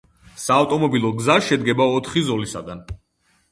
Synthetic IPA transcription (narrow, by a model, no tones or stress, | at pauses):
saːft̪ʼɔmɔbilˠɔɡzaʃɛd̪ɡɛbaɔt̪ʰχizɔlisa̰ɡan